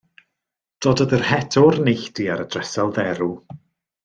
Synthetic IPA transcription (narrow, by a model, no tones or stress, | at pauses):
d̥ɔːdəðərhɛtʰɔɾnɪɬd̥iaɾəd̥rɛsalˠðɛɾu